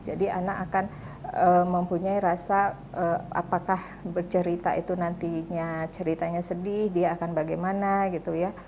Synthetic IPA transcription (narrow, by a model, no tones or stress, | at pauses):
d͡ʒadia̰nakakan | əməmpuɲaiɾasa | ʔəʔa̰pakah | bərt͡ʃəɾit̪a̰ʔit̪unant̪iɲat͡ʃəɾit̪aɲasədɪhdiaːkanbaɡajmanaɡit̪uja